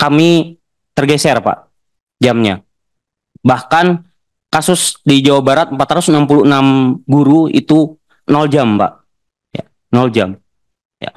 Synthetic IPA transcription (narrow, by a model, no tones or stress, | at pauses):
kami | t̪ərɡasɛrpa̰ʔ | d͡ʒamɲa | bahkan | kasʊsdid͡ʒawabaɾat̪̚əmpat̪ɾaʊsənampuluənamɡuɾuḭt̪u | nɔld͡ʒampa̰ʔ | ja̰ | nɔld͡ʒam | ja̰